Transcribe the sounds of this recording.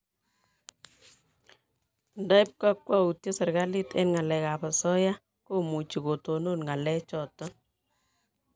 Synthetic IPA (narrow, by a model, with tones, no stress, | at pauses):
nda˦ɪ˦p̚ka˦kwa˦u˨tjɔ˦sɛ˨ɾɡa˦li˦tɛ̰˦nŋa˨lɛ˨ka˨pa˨sɔ˦ja˦ | ko˦mu˨t͡ʃi˨ko˨to˨no˦nŋa˨lɛ˦t͡ʃɔ˨tɔ˦